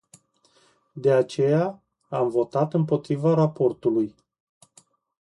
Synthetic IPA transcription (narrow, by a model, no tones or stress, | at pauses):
d̪e̞at͡ʃe̞ja | amvo̞t̪at̪ɨmpo̞t̪ɾivaɾapo̞rt̪uluj